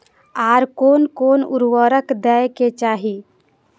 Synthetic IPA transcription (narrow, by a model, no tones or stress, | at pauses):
aːɾkonkoːnṵɾwəɾəkd̪ɛjket͡ʃaɦi